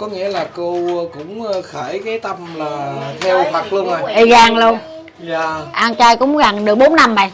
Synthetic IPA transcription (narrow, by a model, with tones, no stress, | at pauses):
kɔ˨˦ŋḭ˧˥əlaː˨˩ko˧kʊ̰˧˥ŋ͡mxəː˧˩jkaː˨˦jt̪ə˧mlaː˨˩t̪ʰɛ˧wfʰwa˨˩t̚lu˧əna˨˩ʔi˨˩ɣaː˨˩ŋlu˧əŋ | aː˧˩ʔaː˧ŋt͡ɕaː˧jkʊ̰˧˥wŋ͡mɣaː˨˩ŋɗɨ˨˩ək̚ɓo˨˦nːa˧mːa˨˩j